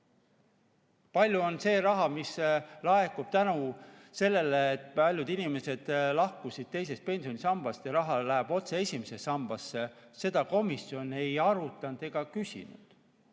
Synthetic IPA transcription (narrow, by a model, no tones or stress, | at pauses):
pɑlʲjuo̞nse̞ːɾɑɦɑmislɑe̞kub̥̚t̪ænu | se̞lːe̞leːt̪̚pɑlʲjud̪̥inime̞se̞d̪̥lɑhkusʲid̪̥̚t̪e̞js̬e̞st̪̚pe̞nsio̞nʲisɑmb̥ɑst̪jɑɾɑɦɑlæɦebo̞t̪se̞e̞sʲimese̞ɑmb̥ɑsːese̞d̪̥ɑko̞misjo̞ne̞jɑɾut̪ːˑɑnd̪̥e̞ɡ̥ɑkysʲḭnṵd̪̥